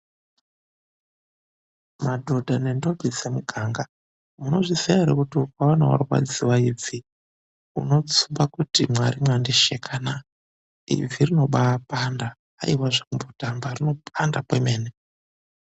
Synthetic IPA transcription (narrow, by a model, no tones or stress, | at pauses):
madʱo̞dʱane̞ndo̞bʱizemuɡʱaŋɡa | muno̞ʐiseaɾekutiukawana̰wa̰rokwa̰d͡ziwaivi | ṵno̞t͡sumbakutimwaɾimwandeʃekʰana | ḭvirino̞ɓaːpandaː | iwaʐaumbotambarino̞pʰandapemeːne